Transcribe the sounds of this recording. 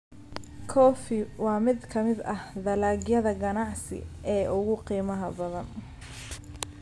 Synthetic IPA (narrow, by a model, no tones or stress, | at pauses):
kʰɔːfɪwɑːmɪd̪kʰɐmɪd̪ɐhðɐlaːɡjɐðɐɡɐnɑʕsɪ̰ʔɛːʔʊɣʊqiːmɐɦɐbɐðɐn